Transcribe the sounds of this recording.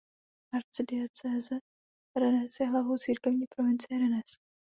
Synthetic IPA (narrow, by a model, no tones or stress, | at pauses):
aɾt͡sdɪɛt͡sɛːzɛt̪̚ | ɾɛnɛsjɛɦlavowt͡siːɾkɛvɲiːpɾovɪnt͡sɪjɛɾɛnɛs